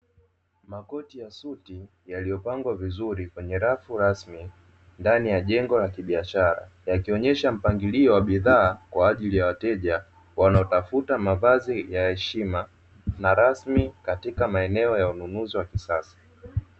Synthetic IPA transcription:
makɔtijasuti | jalijɔpaŋɡwavizuɾikwɛɲɛɾafuɾasmi | ndanijaʄɛŋɡɔlakiɓiaʃaɾa̰jakiɔɲɛʃam̩paŋɡiliɔwaɓiðaːkwaːʄilijawatɛʄa | wanaɔtafutamavazijahɛʃima | naɾasmikatikamaɛnɛɔjaununuziwakisasḁ

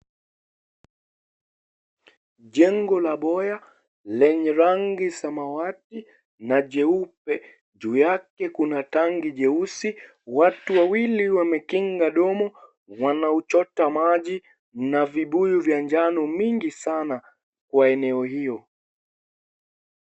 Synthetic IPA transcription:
ʄɛŋɡɔlaɓɔja | lɛɲɛɾaŋɡisamawati | naʄɛup̚ɛ | ʄuːjakɛkunataŋɡiʄɛusi | watuwawiliwamɛkiŋɡaɗɔmɔ | wanaut͡ʃɔtamaʄi | naviɓujuvjaɲd͡ʒanɔmiŋɡisana | kwaɛnɛɔhijɔ

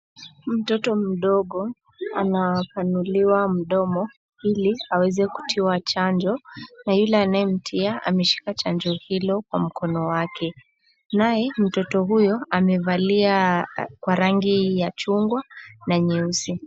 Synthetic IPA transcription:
m̩tɔtɔm̩ɗɔɠɔ | anapanuliwam̩ɗɔmɔ | iliawɛzɛku̥tʰiwat͡ʃand͡ʒɔnajulɛanajɛm̩tʰiaa̰mɛʃi̥kat͡ʃand͡ʒɔhilɔkwam̩kɔnɔwakʰɛ | najɛm̩tɔtɔɦujɔamɛvaliakwaɾaŋɡijat͡ʃuŋɡwanaɲɛusi

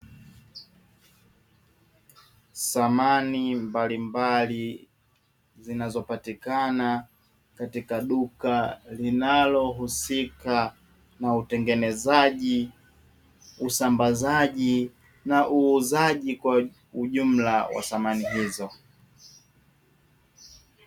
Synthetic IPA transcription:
samanimbalimbali | zinazɔpatikana | katikaɗukalinalɔɦusika | nautɛŋɡɛnɛzaʄi | usambazaʄi | naʔuːzaʄikwa | uʄum̩lawa̰θamaniɦizɔ

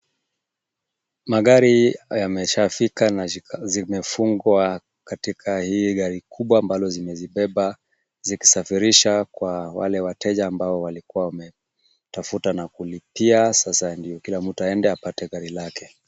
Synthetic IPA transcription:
maɠaɾijamɛʃafikanazimɛfuŋɡwa | katikʰahiːɠaɾikʰuɓwaːmbalɔzimɛziɓɛɓa | ziki̥safiɾiʃakwawa̰lɛwatɛʄaːmbaɔwalikuwawamɛ | tafutanakulipiasasandiɔkilamm̩tuaɛndɛapatɛɠaɾilakɛ̥

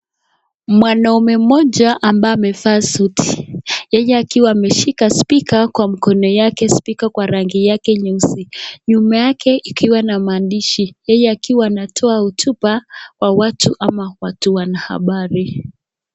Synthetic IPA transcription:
mwanaumɛm̩mɔʄaʔambaamɛfaːsutʰi̥jɛjɛakiwaːmɛʃikaspikakwam̩kɔnɔjakɛspikakwaɾaŋɡijakɛɲusiɲumajakʰɛʔikʰiwanamaːndiʃijɛjɛakiwaːnatʰɔautʰupawawatʰuʔamawatuwanaha̰ɓaɾi

